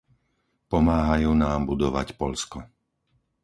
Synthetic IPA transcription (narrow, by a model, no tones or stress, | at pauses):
pɔmaːɦajuːnaːmbud̪ɔʋa̰cpɔʎskɔ